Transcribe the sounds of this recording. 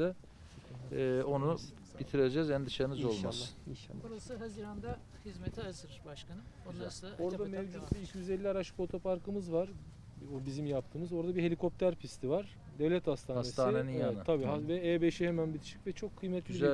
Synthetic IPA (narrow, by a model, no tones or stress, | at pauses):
ɯ | o̞nu | b̥it̪ʰiɾed͡ʒɛzænd̪ɯʃaɾɯnɯzo̞lˠma̰lˠːʃoɾasɯɦaziːɾand̪a | hizmet̪ʰiazɯɾbaʃkʰanɯonnaso̞ɾd̪amɛvd͡ʒut̪̚biilʲcʰjyzelʲːiaɾaʃɯ̥po̞t̪ʰo̞pʰaɾkɯmɯzvaɾ̥ | bizimjap̚t̪ʰɯːmɯzo̞ɾd̪abihe̞lʲikʰo̞p̚t̪ʰæɾpʰist̪ʰivaɾ | d̪ɛvlʲɛt̪hast̪ʰaːasest̪ʰaːneninjaaabiːavɛɛːbeʃihemænbit̪ʰi̥ʃi̥cvɛt͡ʃʰo̞kʰːɯjmɛt̪lyiz